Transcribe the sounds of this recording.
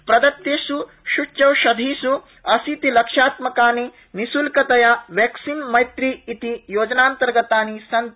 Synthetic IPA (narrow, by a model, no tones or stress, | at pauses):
pɾɐd̪ɐt̪ːjeːsu | ʃut͡ʃɐwʃɐd̪ʱiːsu | ɐsit̪ilɐkʂaːt̪mɐkaːni | nisulkɐt̪ɐjaʋjeːksinmɐjt̪ɾiːt̪ijoːd͡ʒɐnaːnt̪ɐɾɡɐt̪aːnisɐnt̪